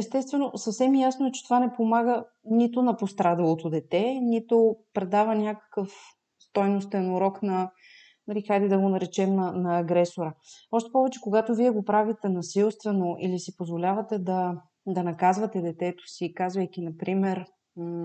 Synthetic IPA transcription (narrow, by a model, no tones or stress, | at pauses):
ɛst̪ɛst̪vɛnosɐfsɛmjasnoɛt͡ʃɛ̥t̪ovanɛpomaɡə | nit̪onɐpost̪ɾad̪ɐlˠot̪od̪ɛt̪ɛnit̪opɾɛd̪avɐnʲakə̥kəf | st̪ɔjnos̬t̪ɛnoɾɔknɐ | nɐɾikajd̪ɛd̪ɐɡonɐɾɛt͡ʃɛmnɐnɐːɡɾɛsoɾəɔʃt̪ɛ̥pɔvɛt͡ʃɛkoɡat̪oviɛɡopɾavit̪ɛnɐsilˠst̪vɛnoʔḭlisipozvolʲavɐt̪ɛd̪ɐ | d̪ɐnɐkazvɐt̪ɛd̪ɛt̪ɛt̪o̥siːkazvɐjk̟inɐpɾimɛɾ̩